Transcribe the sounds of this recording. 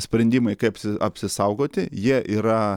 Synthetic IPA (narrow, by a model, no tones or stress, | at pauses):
sʲpʲɾʲɛnʲd̪ʲiːmɐɪkɐɪɐpʲsʲɪɐpʲsʲɪsɐʊɡoːt̪ʲɪjiɛʔiːɾɐ